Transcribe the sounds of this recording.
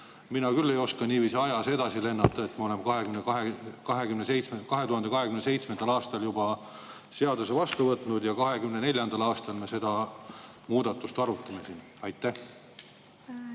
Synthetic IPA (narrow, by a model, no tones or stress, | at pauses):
minɑkylːe̞jo̞skɑniːviːsiɑjɑse̞d̪̥ɑsile̞nːɑt̪ːˑɑet̪mɑole̞mkɑɦekymnekɦekɑɦe̞ɡymnesejt̪smekɑɦe̞t̪uhɑnd̪ekɑɦe̞kymnesejt̪sme̞nd̪ɑlɑːst̪ɑljubɑ | se̞ɑd̪use̞vɑst̪uvɤt̪nud̪jɑkɑɦe̞ɡymnene̞lʲjɑnd̪̥ɑlɑːst̪ɑlmese̞d̪̥ɑ | muːd̪̥ɑt̪ːˑust̪ɑɾut̪ːˑɑmesin | ɑjt̪ːæh